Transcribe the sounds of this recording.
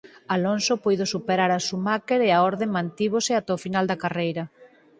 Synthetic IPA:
alonsopojðosupeɾaɾasumakeɾeaɔɾðeŋmãnt̪iβosɪat̪ɛɔfinald̪ɐkarejɾɐ

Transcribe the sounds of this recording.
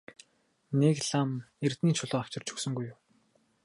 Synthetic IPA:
nekɮam | ert̪niːt͡ɕʰʊɮʊːaw̥t͡ɕɪ̆r̥t͡ɕʰɵ̥ksɵ̆ŋɡujːʊw

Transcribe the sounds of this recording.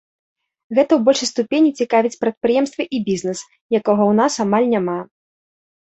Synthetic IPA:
ɣɛt̪ɐwbɔlʲʂɐjst̪upʲenʲit͡sʲikavʲit͡sʲpɾɐt̪̚pɾɨjɛmst̪vɐʔibʲiznɛs | jakɔɣɔwn̪asamalʲnʲama

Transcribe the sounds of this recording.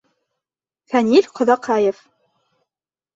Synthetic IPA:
fænilʲqʰɤ̆ðɑqʰɑjef

